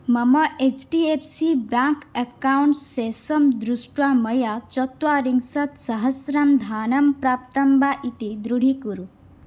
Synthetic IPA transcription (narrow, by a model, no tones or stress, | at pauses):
mɐmɐʔet͡ʃʈiepʰsibjaŋkekawɳʈːesɐmd̪ɾusʈwamɐjat͡ʃɔt̪waɾiŋɡsɐt̪sɐɦɐsɾɐmd̪ʱaːnɐmpɾaːp̚t̪ɐmbaʔit̪id̪ɾuɽ̤ʱikuɾu